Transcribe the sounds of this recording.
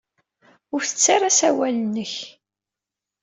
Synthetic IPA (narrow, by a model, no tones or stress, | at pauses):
ʊɾθət͡sːaɾasæwælənəç